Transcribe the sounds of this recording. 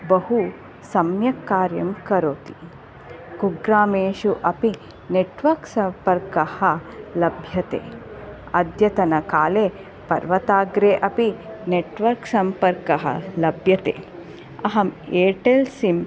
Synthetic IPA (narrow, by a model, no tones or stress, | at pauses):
bɐɦu | sɐmjɐkːaːɾjɐ̰mkɐɾoːt̪i | kuɡɾaːmeːʃuʔɐpi | neʈʋɐɾksɐmpɐɾkɐhɐlɐbʱjɐt̪ḛː | ɐd̪jɐt̪ɐnɐkaːleː | pɐɾʋɐt̪aːɡɾeːʔɐpineʈʋɐɾksɐmpɐɾkɐɦɐ̰lɐbʱjɐt̪ḛː | ɐɦɐmeːʈelsim